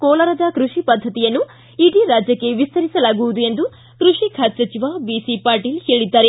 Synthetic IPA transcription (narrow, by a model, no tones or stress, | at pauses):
koːlɐɾɐd̪ɐkɾuʂipɐd̪ʱːɐt̪ijɐnːu | iɖiɾaːd͡ʒjɐkːe̞ʋist̪ɐɾisɐlaːɡuʋud̪ue̞nd̪u | kɾuʂikʰaːt̪sɐt͡ʃiʋabisipaːɾʈiːlheːɭid̪ːaːɾe